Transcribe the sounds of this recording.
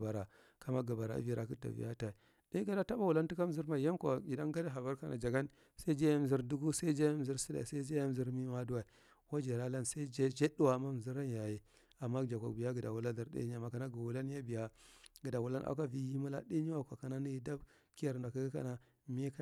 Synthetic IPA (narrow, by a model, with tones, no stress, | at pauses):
a˨ɾa˨ | ka˨ma˦ɡə˨ba˨ɾa̰˨˦vi˦ɾa˨ki˦ta̰˨vḭ˨ja˦ta˨ | de˦ɡa˨da˦ta˦ba˦wu˨la˦nti˦ka˦m˦zi˦ɾma˦˨ja˦nkʷa˨ɡi˨da˦nɡa˦da˦ɦa˨ba˦ɾka˨nʔa̰˨d͡ʒa˨ɡa˦n | sa˦i˦d͡ʒa˦ja˦m˨zi˦ɾdu˦ɡu˦sa˦i˦d͡ʒa˦ja˦m˨zi˦ɾsi˦da̰˨sa˦i˦d͡ʒa˦ja˦m˨zi˦ɾmi˦ma˦du˦wa˨i˨ | wa˦d͡ʒe˨la˦la˦nsa˦i˦d͡ʒe˦d͡ʒe˦ɗu˦wa˨ma˦m˨zi˦ɾa˦n˦ja˨je˨ | a˨mːa˦˨d͡ʒa˨kʷa̰˨kbi˨ja˦ɡi˨da˨wu˨la˦da˨ɾdḛ˦ɲa˨ma˨ka˨na˦ɡu˨wu˨la˦n˦ja˦bi˨ja˦ɡə˨da˨wu˨la˦nʔa̰˨˦ka˦vi˦ji˦mu˦la̰˦di˦i˦wa˦kʷa˨ka˨na˦ni˦ji˨da˦b | ki˦ja˨ɾda˨ka˦ɡi˦ka̰˦na˨ | mi˦ka˦